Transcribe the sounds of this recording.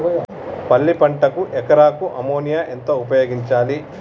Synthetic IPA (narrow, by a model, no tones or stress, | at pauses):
pɐlːipɐɳʈɐkuʔɛkɐɾaːkuʔɐmoːnijaːʔent̪oːupɐjoːɡiɲt͡ʃaːli